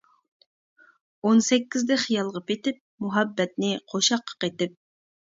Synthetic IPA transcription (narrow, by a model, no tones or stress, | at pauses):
onsɛkʲːizd̪ɛχijɑlˠʁɑpet̪ɪp̚muɦɑbːɛt̪̚nɪqʰoʃɑqʰːɑ̥qet̪ɪp̚